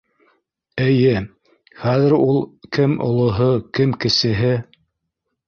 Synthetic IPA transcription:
ɘ̆jɘ | χæðɘ̆ɾulˠkɘmŏ̰lˠŏɦɤkɘmkɘ̆sɘ̆ɦɘ

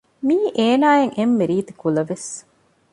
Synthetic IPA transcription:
miːʔeːnaːeŋemːeɾiːt̪ikulɐʋes

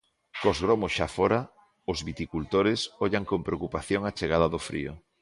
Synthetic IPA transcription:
kozɣɾomʊsʃafɔɾa | ʊzβit̪ikult̪oɾɪsɔʎaŋkompɾeokupaθjoŋat͡ʃeɣaðɐðʊfɾḭo

